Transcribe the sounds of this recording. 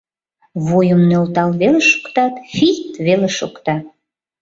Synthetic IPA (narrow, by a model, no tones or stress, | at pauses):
βojəmnølt̪ɑlβeleʃo̥kt̪ɑt̪fit̪βeleʃokt̪ɑ